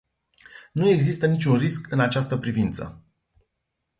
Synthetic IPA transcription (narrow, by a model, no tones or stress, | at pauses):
nue̞ɡzist̪ənit͡ʃʲunriskɨnat͡ʃast̪əpɾivint̪sə̰